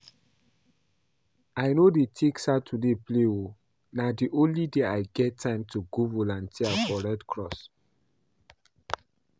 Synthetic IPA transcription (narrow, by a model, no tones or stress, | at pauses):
aɪnodetʰiksatʰudeplewo | nadiʔõnlideaɪɡɛtʰːãɪ̃mtuɡovolãntʰiafɔɹɛdkʰɹɔs